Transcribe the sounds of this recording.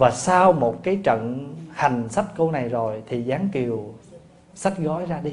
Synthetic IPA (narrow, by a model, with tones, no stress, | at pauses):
vaː˨˩saː˧wmo˨˩t̚kaː˨˦jt͡ɕə̰˧˨nha˨˩ŋ̟sa˦˥t̚ko˧na˨˩jzo˨˩jt̪ʰi˨˩zaː˨˦ŋki˨˩əw | sa˦˥t̚ɣɔ˨˦jzaː˧ɗi˧